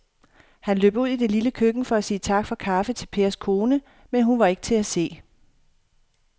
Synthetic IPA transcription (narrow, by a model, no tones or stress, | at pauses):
hænløːb̥uð̰ˠid̥e̝liləkʰøɡ̥n̩fɒ̽æsiːət͡sʰɑ̈ɡ̥fɒ̽kʰɑ̈fət͡sʰe̝lpʰe̝ːɐskʰo̝ːnə | menɦunʋɑ̈e̝ɡ̥ət͡sʰe̝æse̝̰ː